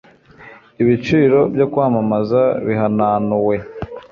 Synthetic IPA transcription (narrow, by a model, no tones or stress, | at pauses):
iβit͡ʃiːɾo̞bjokwaːmamazaβiɦanaːnuwe̞